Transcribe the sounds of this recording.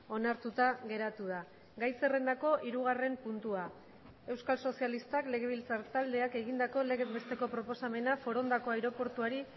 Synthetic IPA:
o̞naɾt̪ut̪aɣe̞ɾat̪uða | ɡajse̞re̞nd̪ako̞ʔiɾuɣare̞mpunt̪ua | e̞wskalso̞sialist̪akle̞ɣe̞β̞ilt͡saɾt̪ald̪e̞ake̞ɣ̞ind̪ako̞le̞ɣebest̪e̞ko̞pɾo̞po̞same̞nafo̞ɾo̞nd̪ako̞ajɾo̞po̞ɾt̪uaɾi

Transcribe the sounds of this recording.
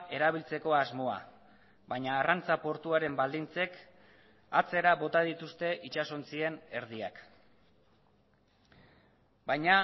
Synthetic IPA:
e̞ɾaβ̞ilt͡se̞ko̞azmo̞a̰ | βajɲaːrant͡sapo̞ɾt̪uaɾe̞mbald̪int͡se̞k | at͡se̞ɾaβo̞t̪að̞it̪ust̪e̞ʔit͡ʃaso̞nt͡sie̞ne̞ɾðia̰k | bajɲa

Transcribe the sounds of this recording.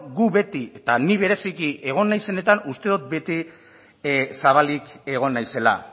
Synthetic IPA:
ɡuβe̞t̪iet̪aniβ̞e̞ɾe̞sikiʔe̞ɣ̞o̞nːajse̞ne̞t̪anust̪e̞ðut̪̚be̞t̪i | saβ̞alike̞ɣ̞o̞nːajse̞la̰

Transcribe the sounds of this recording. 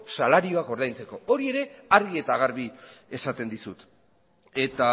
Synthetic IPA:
salaɾio̞ako̞ɾð̞ajnt͡se̞ko̞o̞ɾie̞ɾe̞aɾɣie̞t̪aɣaɾβie̞sat̪e̞nd̪isut̪ | e̞t̪a

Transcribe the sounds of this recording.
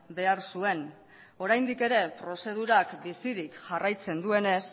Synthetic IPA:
be̞aɾsue̞n | o̞ɾajnd̪ike̞ɾe̞pɾo̞se̞ð̞uɾakbisiɾikʝarajt͡se̞nd̪ue̞ne̞s

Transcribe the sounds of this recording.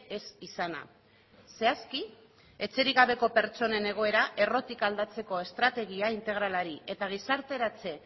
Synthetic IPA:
e̞sisana̰ | se̞aski | e̞t͡se̞ɾiɣaβ̞e̞ko̞pe̞ɾt͡ʃo̞ne̞ne̞ɣ̞o̞e̞ɾaʔe̞ro̞t̪ikald̪at͡se̞ko̞e̞st̪ɾat̪e̞ɣiaint̪e̞ɣ̞ɾalaɾie̞t̪aɣ̞isaɾt̪e̞ɾat͡se̞

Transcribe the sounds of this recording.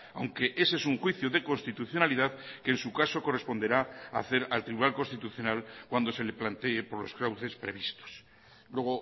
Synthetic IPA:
a̰wŋke̞ʔesesuŋxwiθjoðe̞ko̞nst̪it̪uθjo̞naliðaðkensukaso̞ko̞respo̞nd̪e̞ɾaa̰θe̞ɾalt̪ɾiβunalkonst̪it̪uθjonalkwand̪o̞se̞leplant̪eːpo̞ɾlo̞̰skɾawθe̞spɾe̞βist̪o̥s | lwe̞ɣ̞o

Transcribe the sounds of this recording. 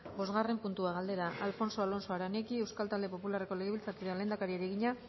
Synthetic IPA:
bo̞zɣare̞mpunt̪uaɣ̞ald̪e̞ɾaʔalfo̞nso̞alo̞nso̞aɾanekiewskalt̪ald̪e̞po̞pulare̞ko̞le̞ɣeβilt͡sakiɾenle̞ːnd̪akaɾiaɾeɣ̞iɲa

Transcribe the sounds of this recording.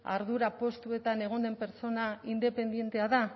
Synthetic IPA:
a̰ɾðuɾapo̞st̪ue̞t̪ane̞ɣ̞o̞nd̪e̞mpe̞ɾt͡so̞naind̪e̞pe̞nd̪je̞nt̪e̞aða

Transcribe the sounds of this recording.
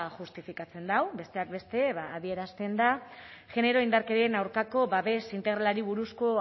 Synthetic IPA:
ʝust̪ifikat͡se̞nd̪awbe̞st̪e̞ak̚be̞st̪e̞βaːð̞ie̞ɾast̪e̞nd̪aʝe̞ne̞ɾo̞ind̪aɾkeɾienawɾkako̞βaβe̞sint̪e̞ɣɾalaɾiβuɾusko̞

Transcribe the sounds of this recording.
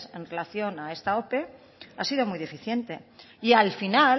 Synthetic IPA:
se̞nre̞laθjo̞nae̞st̪ao̞pe̞ | a̰sið̞o̞mujðe̞fiθje̞nt̪e̞ | ialfina

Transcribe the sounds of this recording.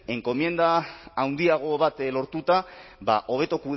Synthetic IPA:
e̞ŋko̞mje̞nd̪aːwnd̪iaɣ̞o̞βat̪lo̞ɾt̪ut̪aba̰ʔo̞β̞e̞t̪o̞ku

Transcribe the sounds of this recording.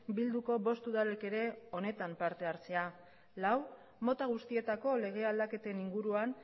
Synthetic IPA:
bild̪uko̞βo̞st̪uðale̞ke̞ɾe̞o̞ne̞t̪ampaɾt̪e̞aɾt͡se̞a | law | mo̞t̪aɣ̞ust̪ie̞t̪ako̞le̞ɣ̞e̞ald̪ake̞t̪e̞niŋɡuɾuan

